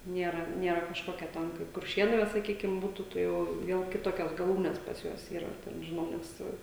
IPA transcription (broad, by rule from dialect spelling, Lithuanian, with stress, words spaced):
ˈnʲiɛrɐ ˈnʲiɛrɐ kɐʃˈkoːkʲɛ ˈtɐn kɐɪp kʊrʲˈʃʲeːnʊ ʋɐ sɐˈkʲiːkʲɪm ˈbuːtʊ ˈtɐ jɛʊ ˈʋʲiɛlˠ kʲɪˈtoːkʲɛs ɡɐˈlˠuːnʲɛs pɐs ˈjuɔs ˈiːrɐ tʲɛn ʒʲɪˈnɐʊ nʲɛs ˈsʊ